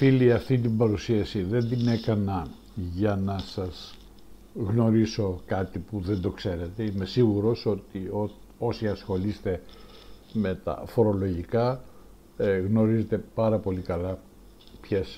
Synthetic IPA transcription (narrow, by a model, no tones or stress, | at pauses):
filiɐft̪int̪imbɐɾusiɐsiðe̞nd̪ine̞kɐnɐ | ʝɐnɐsɐz | ɣno̞ɾiso̞kɐt̪ipuðe̞nd̪o̞kse̞ɾe̞t̪e̞ime̞siɣuɾo̞so̞t̪io | o̞siɐsxo̞list̪e̞ | me̞t̪ɐ̰fo̞ɾo̞lo̞ʝikɐ | ɣno̞ɾize̞t̪e̞pɐɾɐpo̞likɐlɐ | pçes